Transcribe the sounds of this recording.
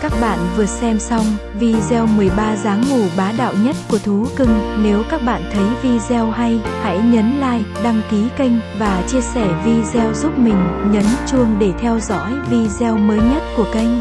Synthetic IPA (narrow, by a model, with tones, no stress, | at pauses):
kaː˦˥k̚ɓa̰ː˧˨nvɨ˨˩ət̚sɛ˧msa˧wŋ͡m | vi˧zɛ˧wmɨ˨˩əjɓaː˧zaː˨˦ŋːu˧˩ɓaː˨˦ɗa̰ː˧˨wɲə˦˥t̚ku˧˩ət̪ʰu˨˦kɨ˧ŋne˨˦wkaː˦˥k̚ɓa̰ː˧˨nt̪ʰə˨˦jvi˧zɛ˧wɦa˧jha̰˧˥jɲə˨˦nla̰ː˧˨jɗa˧ŋki˨˦kə˧jŋ̟vaː˨˩t͡ɕi˧əsɛ˧˩vi˧zɛ˧wzu˦˥p̚mï˨˩ŋ̟ɲə˨˦nt͡ɕu˧əŋɗe˧˩t̪ʰɛ˧wzɔ̰˧˥jvi˧zɛ˧wməː˨˦jɲə˦˥t̚ku˧˩əkə˧jŋ̟